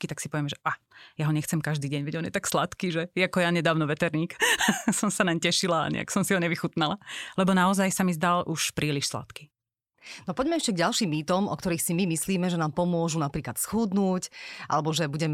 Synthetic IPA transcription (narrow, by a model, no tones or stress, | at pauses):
kit̪aksi̥pɔʋɪɛmɛʒɛʔa | jaɦɔɲɛxt͡sɛmkaʒd̪iːɟɛɲʋɛɟɔnjɛt̪akslat̪kiːʒɛjakɔjaɲɛd̪aːʊnɔʋɛt̪ɛɾɲiːksɔmsanaɲcɛʃila̰ːɲɛ̰a̰ksɔmsiɦɔɲɛʋixut̪nalalɛbɔnaɔzajsamizd̪alʔuʃpɾʔiːliʃsla̰t̪ki | nɔpɔɟmɛɛʃcɛɡɟalʃiːmːiːt̪ɔmʔɔ̰kt̪ɔɾiːxsimimisliːmɛʒɛnaːmpɔmʊɔʒunapɾiːklat̪sxud̪nuːcʔa̰lɛbɔʒɛbuɟɛm